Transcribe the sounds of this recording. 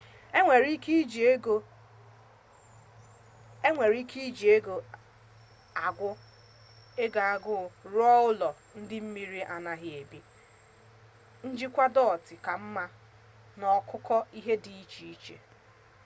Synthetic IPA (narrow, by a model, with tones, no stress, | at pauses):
e˨ɾi˦ki˦d͡ʒo˦ | e˦ŋʷe˨ɾi˦ki˦d͡ʒi˨e˦ɡo˨ | a˨ɡʷʊ˦ | e˦ɡa˨a˦ɡʊ˦˨ɾɔ˦ʊ˦lɔ˨ | n̩˦dɪ˦m̩˦mi˦ɾi˦ʔa˨na˨ɦɪ˨e˨bi˦ | n̩˦d͡ʒi˦kʷa˦dɔ˦˨tɪ˨ka˨m̩˦ma˦ | nɔ˨kʰʊ˦kɔ˦i˦ɦe˦di˨i˦t͡ʃi˨i˦t͡ʃḛ˨